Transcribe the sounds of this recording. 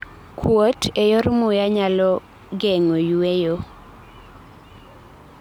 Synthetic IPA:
kʰwotʰejɔrmʊjaɲalɔ | ɡeŋojuejo

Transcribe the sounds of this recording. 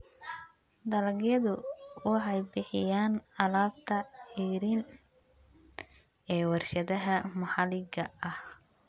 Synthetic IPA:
d̪ɐlɐɡjɐðʊwɑħɑjbɪħɪjaːnɐlaːb̚t̪ʰɐħiːɾin | ɛːwɑrʃɐðɐɦɐmɐħɑlɪɣɐʔɐh

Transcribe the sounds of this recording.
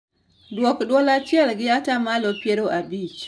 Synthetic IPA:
dwɔkdwɔlat͡ʃɪɛlɡɪatamalopjeɾoʔabit͡ʃ

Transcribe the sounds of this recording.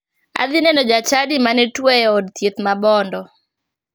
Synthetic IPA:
a̰d̪ɪnɛnɔd͡ʒat͡ʃadɪmanɛtwɛjɛɔdt̪jet̪mabɔndɔ

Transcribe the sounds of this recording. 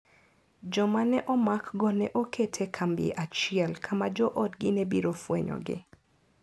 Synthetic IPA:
d͡ʒɔmanɛʔɔmakɡɔnɛʔokʰetʰekʰambjḛʔat͡ʃɪɛlkʰamad͡ʒɔʔɔtɡɪnebiɾofwḛɲɔ̰ɡɪ̰

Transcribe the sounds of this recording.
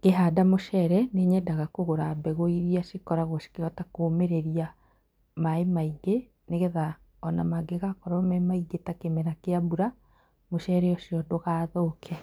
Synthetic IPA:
ɡ̥eɦadamoʃɛɾɛneɲɛdaɣakoɣoɾabɛɣoiɾiaʃikɔɾaɣoʃi̥keɾɔtakoːmeɾeɾia | maemaiɡe | neɣeða | ɔnamaɡeɣakɔɾɔmɛmaiɡetakemɛɾakeabuɾa | moʃɛɾɛjɔʃiɔdoɣaːðokʰɛ

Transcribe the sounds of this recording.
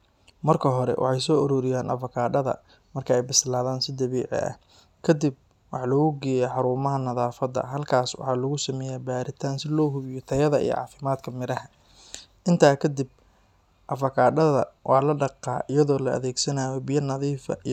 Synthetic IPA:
mɐrkʰɐɦɔɾɛ̰wʔɑ̰ħɑjsɔːʔʊɾɔːɾɪjaːnʔɐ̰fɐkʰaːɖɐðɐ̰ | mɐrkʰɐɛjbɪslaːðaːnsɪd̪ɐβɛːʕɪ̰ɐ̰h | kʰɐd̪ib̚ | wɑħlɐɣʊɡɛːjɛħɑɾuːmɐɦɐnɐðaːfɐd̪ɐ̰ɦɐlkʰaːswɑ̰ħɑːlɐɣʊsɐmɛːjaːbaːɾɪt̪ʰaːnsɪlɔːɦʊβɪjɔt̪ʰɐjɐðɐḭjɔ̰ʕɑ̰ːfɪmaːd̪kʰɐmɪɾɐɦɐ | ʔɪnt̪ʰaːkʰɐd̪ɪb̚ | ʔɐfɐkʰaːɖɐðɐ̰wɑːlɐɖɑqːɑ̰ːʔɪjɐðɔːlɐ̰ʔɐ̰ðɛːɡsɐnaːjɔbɪjɐnɐðiːfɐ̰

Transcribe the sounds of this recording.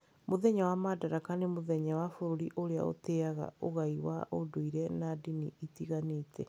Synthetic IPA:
moðɛɲawamadaɾakanemoðɛɲawafoɾoɾiʔoɾea̰o̰teaɣa̰oɣaiwa̰ʔodoiɾɛnadiniitiɣaneːtʰɛ

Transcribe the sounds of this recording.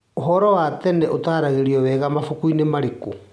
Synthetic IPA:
oɦɔɾɔwatɛnɛʔotaːɾaɣeɾiɔwɛːɣamafukuinemaɾeko

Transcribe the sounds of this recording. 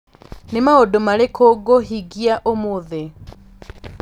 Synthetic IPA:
nemaodomaɾekʰoɡoɦiɣiaʔomoðe

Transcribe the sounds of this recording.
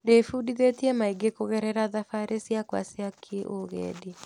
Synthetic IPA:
ndeifudiðetiɛmaiɡekoɣɛɾɛɾaðafaɾesjakwa̰siakʰiʔoɣɛ̰ːdi

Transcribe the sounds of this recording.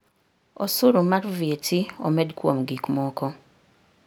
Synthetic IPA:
osuɾumaɾvetio̰mɛdkwo̰mɡikmɔkɔ

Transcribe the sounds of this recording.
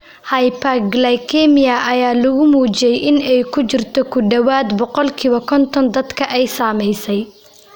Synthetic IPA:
hɐjpʰɐɡlɐjkʰɛmɪjɐʔɐjaːlʊɣʊmuːt͡ʃɪjɛjʔɪnɛjkʰʊt͡ʃɪrt̪ʰɔkʰʊɖɐwaːd̪bɔqɔlkʰiːβɐkʰɔnt̪ʰɔnd̪ɐd̪kʰɐʔɛjsaːmɛjsɛj

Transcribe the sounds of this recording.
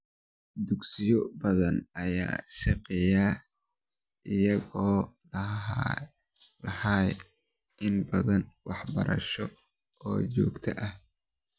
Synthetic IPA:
d̪ʊɡsɪjɔbɐðɐnɐja̰ːsɪqɪjaː | ʔɪjɐɣɔː | lɐhaːj | ʔɪnbɐðɐnwɑħbɐ̰ɾɐ̰ʃɔ | ɔːt͡ʃɔ̰ːɡt̪ʰɐʔɐh

